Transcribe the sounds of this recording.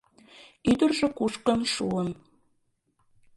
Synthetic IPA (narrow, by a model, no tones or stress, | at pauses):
yd̪ə̆rʒĕkuʃkə̆nʃuən